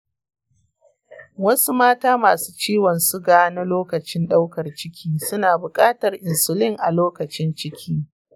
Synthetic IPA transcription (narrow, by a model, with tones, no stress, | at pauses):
wɐ˦su˦maː˦taː˦maː˨su̥ː˦t͡ʃiː˦wɔ˨nsu˦ɡaː˦na˦loː˦kɐ˨t͡ʃɪ˦nɗa˦wkɐ˨rt͡ʃɪ˦kʲʰiː˦sʊ˦naː˨bʊ˨kʼaː˦tɐ˨rʔɪ˨nsʊ˨lɪ˦ŋʔa˨loː˦kɐ˨t͡ʃɪ˦nt͡ʃɪ˦kʲʰiː˦